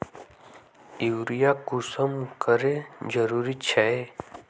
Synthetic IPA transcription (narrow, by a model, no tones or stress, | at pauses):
iwɾijakusəmkəɾed͡ʒəɾuɾit͡ɕʰae